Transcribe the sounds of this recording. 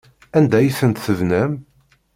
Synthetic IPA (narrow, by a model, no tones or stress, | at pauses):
ænd̪æjiθənt̪θəvnæm